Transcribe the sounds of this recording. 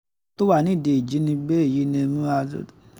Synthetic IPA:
to˦wa˦˨nĩ˦˨de˨i˨d͡ʒi˨˦nĩ˧be˦˨ji˨˦nĩ˧mũ˦a̰˧˦

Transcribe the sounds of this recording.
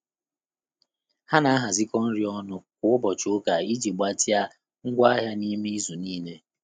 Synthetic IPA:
ha˦na˨a˦ɦa˨zɪ˦kɔ˦n̩˦ɾi˦ɔ˦nʊ˨kʷʊ˨ʊ˦bɔ˨t͡ʃʊ˨˦ʊ˦ka˨i˦d͡ʒi˨ɡ͡ba˦ti˦a˦ | ŋ̩˦ɡʷa˦a˦ɦja˦ni˦mi˦zu˨niː˦le˦

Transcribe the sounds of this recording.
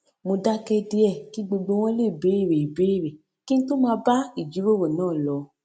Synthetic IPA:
mo˧da˦kɛ˧di˧˦ɛ˦˨ki˦ɡ͡bo˧ɡ͡bo˧w̃ɔ̃˦le˦˨be˨˦i˦˨ɾe˨i˨be˨˦i˦˨ɾe˨ | ki˦n̩˦to˦mãː˧ba˦i˦˨d͡ʒi˨˦ɾo˦˨wo˨nãː˦˨lɔ˧

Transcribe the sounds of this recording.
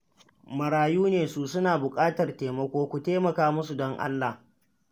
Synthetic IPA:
mɐ˨ɾaː˨juː˦neː˨su˦sʊ˦naː˨bʊ˨kʼaː˦tɐ˨rteː˨mɐ˦kʷoː˦kʷu˨teː˦mɐ˨kaː˦mʊ˦su˨dɔ˦ŋʔa̰˦lːa˨h

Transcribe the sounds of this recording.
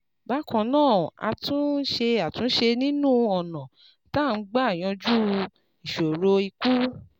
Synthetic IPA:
ba˦kã˧nãː˦˨a̰˧tũ˦ʃe˧a˨tũ˨˦n̩˦ʃe˧nĩ˦nũ˦ɔ˨nã˨ | ta˦˨n̩˦ɡ͡ba˦a˦˨j̃ɔ̃˧d͡ʒu˦ | i˨ʃo˨ɾo˧i˧ku˦

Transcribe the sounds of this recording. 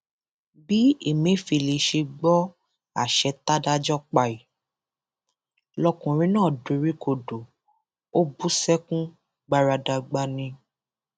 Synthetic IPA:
bi˦e˦˨mĩ˨˦fi˧li˨ʃe˧ɡ͡bɔ˦ | a̰˦˨ʃɛ˧ta˦da˦d͡ʒɔ˦k͡pa˧˨i˨ | lɔ˧kũ˨ɾ̃ĩ˦nãː˦˨du˨˦ɾi˦ko˦˨do˨ | o˦bu˦sɛ˦kũ˦ | ɡ͡ba˧ɾa˧da˧ɡ͡ba˧nĩ˧

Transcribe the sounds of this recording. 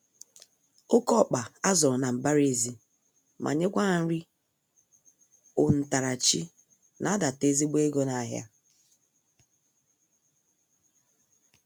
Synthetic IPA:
o˦kɔ˦˨k͡pa˨a˦zɔ˨ɾna˨m̩˨ba˦ɾe˦˨zi˦ | mʔa̰˨ɲe˦ɡʷa˦˨n̩˦ɾi˦ | ʊ˨n̩˨ta˨ɾa˨t͡ʃi˦ | na˨a˦da˨te˦zi˦ɡ͡be˦ɡo˦na˨ɦja̰˦

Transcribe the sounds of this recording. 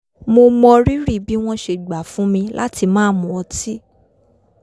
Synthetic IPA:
mo˧mɔ̃˧ɾi˦ɾi˦˨bi˦w̃ɔ̃˦ʃe˧˨ɡ͡ba˨fũ˦mĩ˧lʔa˦ti˧mãː˦mũ˨˦ɔ˧ti˦

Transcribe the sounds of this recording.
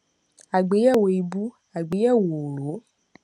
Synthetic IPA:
a˨ɡ͡be˨˦jɛ˦˨wo˨i˨bu˨˦ | a˨ɡ͡be˨˦jɛ˦˨wo˨ɾo˨˦

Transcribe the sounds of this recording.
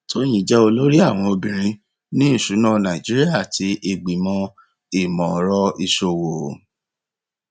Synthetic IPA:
to˦j̃ĩ˦˨d͡ʒɛ˦o˧lo˦ɾi˦a˦˨w̃ɔ̃˧o˧bĩ˨ɾ̃ĩ˧˦ | nĩ˦˨ʃu˨˦nã˦˨nã˨i˨d͡ʒi˦ɾi˦a˦˨tʰi˧˦ʔe˧ɡ͡bi˨mɔ̃˧ | i˦˨mɔ̃˨˦ɾɔ˧i˧ʃo˧wo˨

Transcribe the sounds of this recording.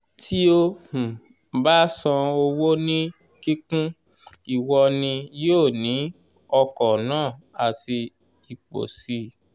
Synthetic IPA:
tʰi˦o˧hũ˨ | ba˦sã˧o˧wo˦nĩ˦ | ki˦kũ˦ | i˦˨wɔ˧nĩ˧joː˦˨nĩ˨˦ | ɔ˧kɔ˨nãː˦˨ | a˨ti˧ | i˨k͡po̰˨si˧˦

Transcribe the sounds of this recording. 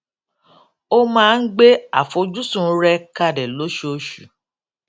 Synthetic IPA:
o˦mãː˦˧n̩˦ɡ͡be˦a̰˨fo˨d͡ʒu˦sũ˦˨˦ɾɛ˧ka˧dɛ˨lo˨˦ʃo˨˦ʃu˨

